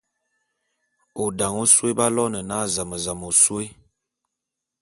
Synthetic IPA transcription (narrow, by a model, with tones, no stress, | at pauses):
o˨da˨ŋo˦se˦ba˦lɔ˦nə˨na˦˨za˨mə˨za˨mo˨swe˦